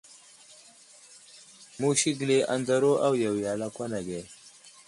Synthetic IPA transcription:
mu˦ɕi˦ɡle˨ʔa˨nd̪aɾo˦ʔa˦wja˨wjaː˨la˦kʷwa˦na˨ɡe˨

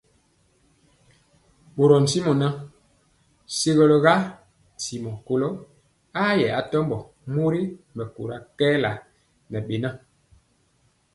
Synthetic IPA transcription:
ɓo˨ɾɔ˨n̩˨si˦mɔ˨na˦ | se˦ɣɔ˨lɔ˨ɣa˦ | n˨si˨mɔ˨ko˨lo˦ | a˦jɛ˨a˨tɔ˦mbɔ˨ | mo˦ɾi˦mɛ˨kṵ˨ɾa˦kɛː˦la˨ | nɛ˨ɓe˨na˦

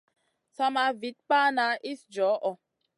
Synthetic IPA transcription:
sa˦ma˧vi˨˦t̚pa˦na˨˦ʔi˦sd͡ʒɔ˨˦ʔɔ˨

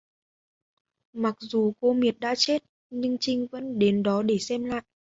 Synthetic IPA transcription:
ma˨˩k̚zu˨˩ko˧mi˨˩ət̚ɗa̰ː˧˥t͡ɕe˦˥t̚ | ɲɨ˧ŋt͡ɕï˧ŋ̟və̰˧˥nɗe˨˦nɗɔ˨˦ɗe˧˩sɛ˧mla̰ː˧˨jʔ

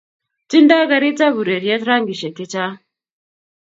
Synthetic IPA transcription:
ti˦nda˦ɣa˦ɾi˦t͡sa˦βu˨ɾe˨ɾje˦tɾa˦ŋɡi˨ʃɛ˨ki˦t͡ʃa˦

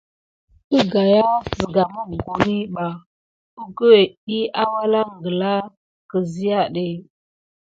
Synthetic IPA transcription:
ə˦ɡa˨ja˦zə˨ɡa˨mu˦˨ɡu˨ni˦ɓa˨ | u˦ɡə˦we˨ɗi˦a˦wa˦la˦ŋɡə˨la˦ | kə˨zi˦ja˦ɗe˦

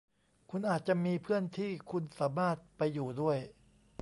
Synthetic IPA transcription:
kʰu˧nʔaː˨˩t̪̚t͡ɕa˨˩miː˧pʰɯ˥˩ənt̪ʰiː˥˩kʰu˧nsaː˩˦maː˥˩t̪̚pa˧jːuː˨˩du˥˩əj

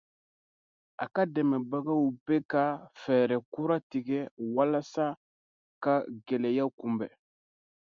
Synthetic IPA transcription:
a̰˨ka˦de˨me˨ba˦ɡa˦wu˨pe˦ka˦fe˨ɾe˨ku˦ɾa˦ti˨ɡe˦wa˦la˦sa˦ | ka˦ɡe˨le˨ja˦ku˨mbe˨

